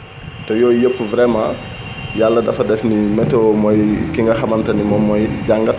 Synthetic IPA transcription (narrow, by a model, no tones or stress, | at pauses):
tɔjɔːjəpːəvɾɛmã | jalːɐdɐfɐdɛfnimɛtːɔmɔjkiŋɡɐxɐmɐntɐnimɔmːɔjɟaŋɡɐt